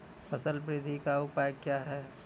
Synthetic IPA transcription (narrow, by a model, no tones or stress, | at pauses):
fəsəlpɾɪd̪ʱikaʊpajkjaːɦɛː